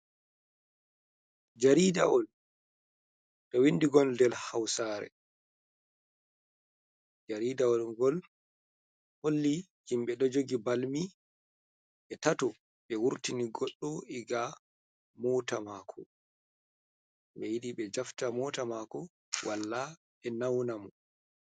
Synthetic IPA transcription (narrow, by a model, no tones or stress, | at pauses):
d͡ʒaɾidaɔl | ɗɔwinːdiɡɔldɛlhawsaːɾɛ̰ | d͡ʒaɾidaɔlɡɔl | holːi | himɓɛɗɔd͡ʒoɡibalmi | ɓɛtatɔ | ɓɛwuɾtiniɡɔɗːɔiɡa | mɔtamaːkʰɔ | ɓɛjiɗiɓɛd͡ʒaftamɔtamakɔ | wʔalːa | ɓɛnawnamɔ